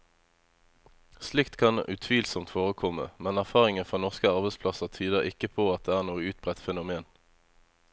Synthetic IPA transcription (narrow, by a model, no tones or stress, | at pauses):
slɪkt̪kʰɑnʔʉt̪ʰʋiːlsɔmt̪foːʁəkʰɔmə̰mɛnæʁfɑːʁɪŋənfʁɑːnɔʁskəɑʁbɛspʰlɑsəʁt̪ʰyːd̪əʁɪkəpʰoːɑt̪̚d̪eːæːʁnuːəʉːt̪̚bʁɛt̪fɛnʊmeːn